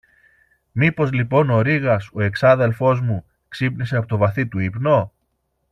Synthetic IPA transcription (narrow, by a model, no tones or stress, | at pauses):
mipo̞zlipo̞no̞ɾiɣɐso̞e̞ksɐðe̞lfo̞zmu | ksipnis̬e̞ɐpo̞t̪o̞vɐθit̪uipno̞